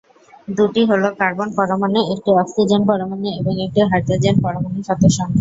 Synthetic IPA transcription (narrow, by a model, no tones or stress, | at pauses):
d̪uʈiɦolokaɾbonpɔɾomaneek̚ʈiɔksid͡ʑenpɔɾomaneeboŋek̚ʈiɦaɾt̪ad͡ʑenpɔɾomaneʃɔd̪oʃɔn